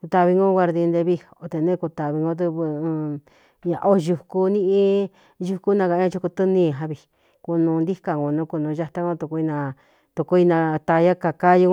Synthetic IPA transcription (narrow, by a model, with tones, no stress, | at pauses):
kt̪a˧βi˧ŋɡõ˦ɡʷa˧ɾði˧nd̪e˧βi˧o˨˧t̪e˧˨nẽ˦˧ku˧t̪a˨βi˧ŋɡõ˧t̪̬ɨ˧β | ɲã̰˧ʔo˦˧ʒu˧ku˧nĩ˦ʔĩ˦ | ʒu˧ku˦nã˧ka˨˧˦ɲã˧t͡ʃu˧ku˧t̪ɨ˦nĩ˦˧˨ɦã˧βi˨ | ku˧nũ˧nd̪i˦ka˨ŋɡo˧nũ˦ku˧nũ˧ʒa˧t̪a˦ŋõ˧t̪u˧ku˧i˧nã˧ | t̪u˧ku˧˦i˧nã˧t̪a˧ja˦ka˧ka˦ju˧ŋ˦